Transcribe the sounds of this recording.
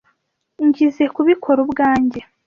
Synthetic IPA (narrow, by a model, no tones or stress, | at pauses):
ɲɟize̞kuβikʰo̞ɾubɡaːɲɟe̞